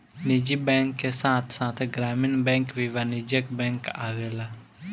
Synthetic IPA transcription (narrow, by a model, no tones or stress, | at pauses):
nid͡ʒibɛ̃ːŋkːesãːt̪ʰsãːt̪ʰɡɾaːmɪnbɛ̃ŋkʋiʋanid͡ʒəkbɛ̃ːŋkaːʋela